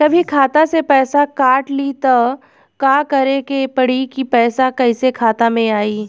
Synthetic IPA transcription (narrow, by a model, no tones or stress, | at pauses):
kɐbʱikʰaːt̪asepɛːsakaːʈlit̪a | kaːkɐɾekepɐɽ̤ikipɛːsakɐɪsekʰaːt̪amẽaːiː